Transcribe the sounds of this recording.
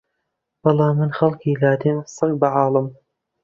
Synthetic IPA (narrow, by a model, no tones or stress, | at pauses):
b̥ɑlˠɑːmːɨnχɐlˠkʰiːlaːd̪emsɨk̚baʕɑːlˠɨm